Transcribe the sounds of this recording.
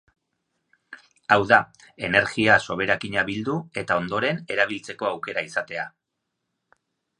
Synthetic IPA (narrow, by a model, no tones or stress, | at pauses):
awða | e̞ne̞ɾɣiaso̞β̞e̞ɾakiɲaβild̪ue̞t̪ao̞nd̪o̞ɾe̞ne̞ɾaβ̞ilt͡se̞ko̞awke̞ɾaisat̪e̞a